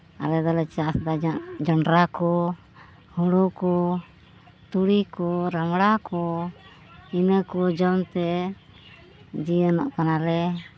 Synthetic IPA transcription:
a̰ɾɛd̪ɔlɛt͡ʃasd̪aaʔd͡ʒɔɳɖɾakɔ | huɽɔkɔ | t̪uɽikɔɾamɽakɔ | inəkɔd͡ʒɔnt̪ɛ | d͡ʒiənɔ̰ʔkanalɛ

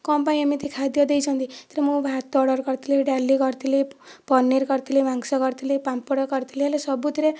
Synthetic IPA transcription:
kɔmpaĩamit̪ikʰad̪jʌd̪ejt͡ʃʰɔ̃nt̪ʰit̪eɾmũbʱat̪ːɔɽʌɾkʌɾt̪ʰileɖalikʌɾt̪ʰilepɔnːeɾkʌɾt̪ʰilemaŋsɔkɔɾt̪ʰilepampɔɽɔkʌɾt̪ʰileɦalesʌbut̪ʰiɾe

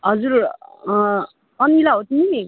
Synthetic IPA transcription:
ɦʌd͡zuɾ | ʌnilaɦot̪ʰini

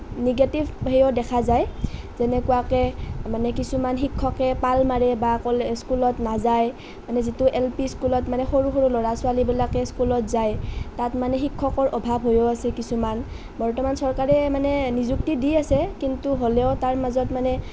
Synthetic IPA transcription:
niɡatibʱɦejodɛkʰazaj | zɛnɛkuwakɛmanɛkisumanxikʰːɔkɛpalmaɹɛbakɔlɛskulɔtnazaj | manɛzituʔɛlpiskulɔtmanɛxoɹuxoɹulɔɹasʊalibilakɛskulɔtzajtatmanɛxikʰːɔkɔɹʔɔbʱabʱɦojoasɛkisuman | bɔɹtɔmansɔɹkaɹɛmanɛnizuk̚tidiasɛkintuɦolɛʊtaɹmazɔtmanɛ

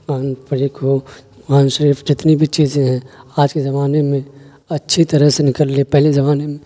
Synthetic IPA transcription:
aːnpɐɾiːkʰɦo | aːnʃəɾiːfd͡ʒɪt̪nibʱit͡ʃiːzẽɦɛ̃ːaːd͡ʒkezɐmaːnemẽ | ɐtːʃʰit̪ɐɾəɦsenɪkəlːeːpɛɦlezɐmaːnemẽ

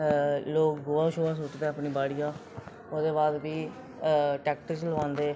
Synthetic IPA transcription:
loːkɡʊaːʃoːaːs̬ʊʈd̪eːəpniːbaːɽɪjãː | oːd̪eːbaːd̪ʋiː | ʈɛːkʈɪt͡ʃləʋãːnd̪eː

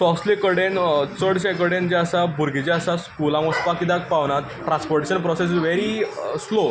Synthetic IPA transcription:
sɔslikəɽent͡səɽɕakəɽend͡ʑaəsabʱuɾɡʱid͡ʑaəsaskulãʋ̃əspakid̪ak̚paʋnat̪ | ʈɾãnspɔɾʈiɕənpɾɔsesʋeɾislo

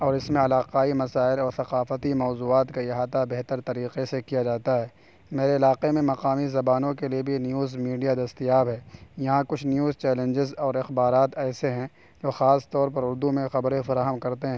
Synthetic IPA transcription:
ɔːɾɪsmẽɐlaːqaːimɐsaːɪlɔːɾθɐqaːfət̪imɔːzuːaːt̪kaɪɦaːt̪abeɦt̪əɾt̪ɐɾiːqesekijad͡ʒaːt̪aɦɛː | meːɾeɪlaːqemẽmɐqaːmizɐbaːnõkeliebʱinjuːzmiːɖijad̪ɐst̪ijaːbɦɛːjɐɦãkʊt͡ʃʰnjuːzt͡ʃɛːlə̃nd͡ʒɪzɔːɾɪxbaːɾaːt̪ɛːseɦɛ̃ | d͡ʒoːxaːst̪ɔːɾpɐɾʊɾd̪umẽxɐbɾẽfɐɾaːɦəmkɐɾt̪eɦɛ̃

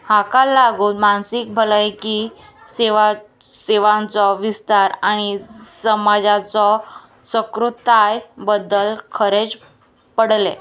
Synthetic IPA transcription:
hakalːaɡuːnmansik̚bʱələjki | seʋa | seʋãnt͡sɔʋist̪aɾaɽ̃isəmad͡zat͡sɔ | səkɾut̪ajbəd̪ːəlkʰəɾet͡s | pəɽle

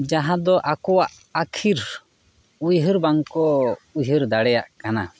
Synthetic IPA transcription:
d͡ʒaɦãd̪ɔʔakɔwaʔ | akʰiɾ | ujɦəɾbaŋkɔujɦəɾd̪aɽɛjaʔkana̰

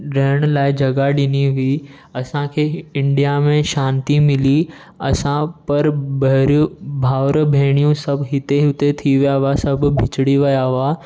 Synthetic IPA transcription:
ɾɛːɽ̃laːɪd͡ʑɐɡaɗɪniɦʊi | ɐsãkʰeːɪ̃ɳɖijamẽʃãːnt̪imɪli | ɐ̰sãpɐɾbɐɾbʱaːʋɾəbʱeːɽ̃ijũsɐbʱɦɪt̪eɦɪt̪et̪ʰiʋijaʋasɐbbʱɪt͡ʃɽiʋɐjaʋa

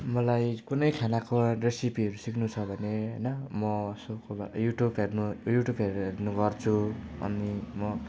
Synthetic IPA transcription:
mʌlajkunʌjkʰanakoresipiʌɾusikʰnut͡sʰʌbʱʌneɦʌjnʌmʌsʌbkoba̰juʈubɦernujuʈjubɦeɾernuɡʌrt͡sʰuʌ̰nimʌ

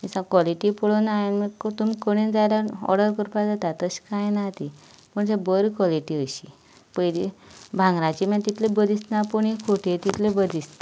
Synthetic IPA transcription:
isãkɔliʈipəɽonaanməkt̪umikəɽ̃ind͡zajlaɔ̰ɾɖəɾkəɾpad͡zat̪at̪əɕkãjnat̪i | pəɳsebəɾikʋɔliʈiəɕi | pəjd̪ebʱãŋɡɾãt͡ɕimãt̪it̪lebəd̪ist̪napəɽĩkʰoʈʰet̪it̪ʰlebəd̪ist̪a

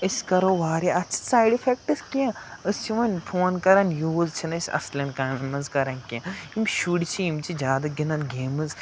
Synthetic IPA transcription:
əsʲkɐɾoːʋaːɾiʔɐtt͡ʃʰi̥saːjɖifʰek̚ʈɨskiãəst͡ʃʰiʋɐnʲpʰoːnkɐɾɐnjuːzt͡ʃʰinɐsʲɐ̰slʲɐnkɐmɐnzkɐɾɐnkiãimʃuɽit͡ʃʰiimt͡ʃʰid͡ʒʲjaːd̪ɐɡinɐnɡeːmɨz

